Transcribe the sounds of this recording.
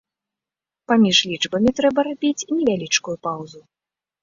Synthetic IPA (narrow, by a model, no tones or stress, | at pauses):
pamʲiʐlʲit͡ʂbɐmʲit̪ɾɛbɐɾabʲit͡sʲnʲɛvʲalʲit͡ʂkujupawzu